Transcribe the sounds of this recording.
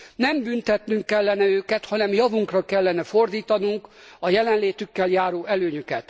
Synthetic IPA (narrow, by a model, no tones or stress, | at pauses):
nɛmbynt̪ɛt̪nyŋkːɛlːɛn̪ɛøːkɛt̪hɒnɛmjɒvuŋkrɒkɛlːɛnɛfo̞rd̪iːt̪ɒnuŋkɒjɛlɛnleːt̪ykːɛljaːɾoːɛløːɲykɛt̪